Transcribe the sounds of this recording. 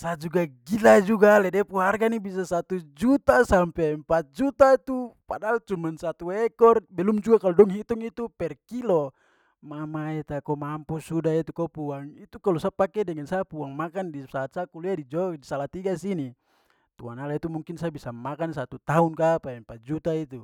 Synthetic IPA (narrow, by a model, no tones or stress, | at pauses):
sad͡ʒuɡaɡilad͡ʒuɡalɛdɛpuɦarɡanibis̬asat̪ud͡ʒut̪asampɛmpat̪̚d͡ʒut̪ait̪upadalt͡ʃumansat̪uɛkɔrbɛlumd͡ʒuɡakalɔdɔŋɦit̪uŋit̪upɛrkilɔ | mamaɛt̪akɔmampusudait̪ukɔpuaŋit̪ukalusapakɛdɛŋansapuaŋmakandisaat̪̚sakuliadid͡ʒɔdisalat̪iɡasini | t̪uanalait̪umuŋkinsabisamakansat̪ut̪aunkapaɛmpat̪̚d͡ʒut̪ait̪u